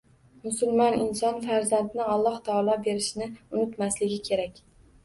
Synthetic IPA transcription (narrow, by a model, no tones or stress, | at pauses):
mʊsʊlˠmɒnɪnsɒnfaɾzand̪nɪɒlˠːɒht̪ʰɒːlˠɒbe̞ɾɪʃɪnɪʊnɪt̪maslɪɡʲɪkʲʰe̞ɾakʲ